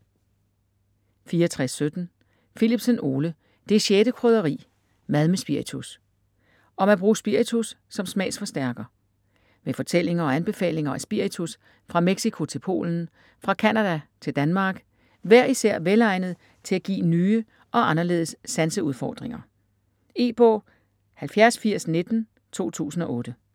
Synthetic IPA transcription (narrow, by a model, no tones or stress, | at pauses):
fiːɐt͡sʰʁɛsːød̥n̩ | filib̥seno̝ːlə | d̥e̝ɕeːɾ̥əkʰʁœðˠɐʁḭː | mæðˠmesb̥iɐit͡sʰus | ʔɒ̽mæb̥ʁṵːsb̥iɐ̰it͡sʰusːɒ̽msmɛ̰ːsfɒ̽sd̥æɐɡ̥ɐ | mefɒ̽t͡sʰel̰e̝ŋɐɒ̽ænb̥e̝fɛ̰ːle̝ŋɐæsb̥iɐit͡sʰus | fʁɑ̈meɡ̥sikʰo̝t͡sʰe̝lpʰo̝̰ːln̩ | fʁɑ̈kʰænæd̥æt͡sʰe̝ld̥ænmɑ̈ːɡ̥ | ʋæɐ̰isæɐ̰ʋelɑ̈ɪ̰nð̞̩ˠ | t͡sʰe̝læɡ̥ḭːnyːə | ʔɒ̽ʔɑ̈nɐle̝̰ːð̞̩ˠəsːænsəuðˠfɒ̰ːd̥ʁeŋɐ | e̝ːb̥ɔ̰ː | hælfjæɐsfiɐ̰sne̝d̥n̩ | t͡sʰo̝̰ːt͡sʰṵːsn̩ɒ̽ʔɔ̽ːd̥ə